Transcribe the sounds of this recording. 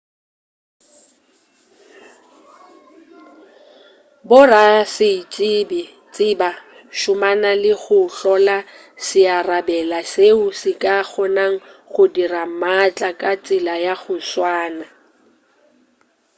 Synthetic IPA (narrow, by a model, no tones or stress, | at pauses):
bʊrasɪt͡ʃʼɪbɪ | t͡sʼɪba | ʃʊmanalɪɣʊɬɔla | sɪarabɛlaseʊsɪkʼaχɔnaŋ̩χʊdiramat͡ɬʼakʼat͡sʼɪlajaɣʊswaːna